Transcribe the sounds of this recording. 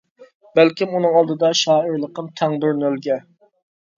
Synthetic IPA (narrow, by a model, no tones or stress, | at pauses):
bælkʲimunɨŋɑlˠd̪ɨd̪ɑʃɑːəɾlˠəqəmt̪ʰæŋd̪uɾnølɡʲɛ